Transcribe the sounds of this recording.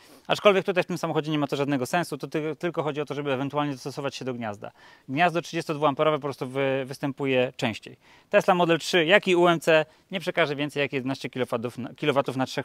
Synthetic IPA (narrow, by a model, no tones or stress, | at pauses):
at͡ʂkɔlvʲjɛk̚t̪ut̪ajft̪ɘmsamɔxɔd͡ʑɛɲɛmat̪ɔʐad̪nɛɡɔsɛ̃ñsut̪ɔt̪ɘlkɔxɔd͡ʑiɔt̪ɔʐɛbɘɛvɛnt̪ualɲɛd̪ɔst̪ɔsɔvat͡ɕɕɛd̪ɔɡɲazd̪a̰ | ɡɲazd̪ɔtʂɨd͡ʑɛst̪ɔd̪vuampɛɾɔvɛp̬ɔpɾɔst̪uvɘvɘst̪ɛmpujɛt͡ʂɛ̃w̃ɕt͡ɕḛj | t̪ɛslamɔd̪ɛltʂɘjakʲiuɛmt̪sɛ | ɲɛpʂɛkaʐɛvʲɛnt̪sɛjakijɛd̪ɛnaɕt͡ɕɛkʲilɔvat̪ufnatʂɛx